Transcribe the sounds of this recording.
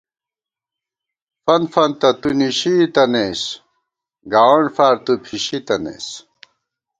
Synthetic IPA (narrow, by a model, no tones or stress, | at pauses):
fɐnfɐnt̪ɐt̪uniɕit̪ɐnes | ɡaːwɐɳɖfaːɾt̪upʰiɕit̪ɐnḛs